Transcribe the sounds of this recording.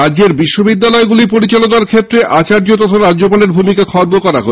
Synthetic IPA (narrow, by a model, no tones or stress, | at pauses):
ad͡ʑeɾbiʃːobid̪ːalɔeɡulipoɾit͡ɕalonaɾkʰet̪ːɾeʔat͡ɕaɾd͡ʑot̪ɔt̪ʰoɾad͡ʑd͡ʑopaleɾbʱumikakʰɔɾbokɔɾaɦo